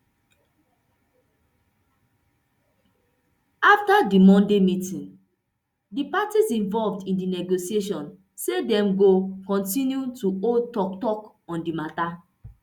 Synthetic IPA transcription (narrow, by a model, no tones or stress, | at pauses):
aftadimɔ̃ndemitĩn | dipatizĩnvɔlvdĩndinɛɡosieʃ̬ɔ̃n | sedɛ̃mɡokɔ̃ntĩnjutuotɔk̚tɔk | ɔ̃ndimata